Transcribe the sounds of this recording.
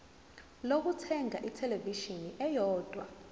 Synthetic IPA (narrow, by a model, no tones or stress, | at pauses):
lok̬utʰɛŋʱaʔitʰɛleviʃiniʔɛjɔːd̥ʱwa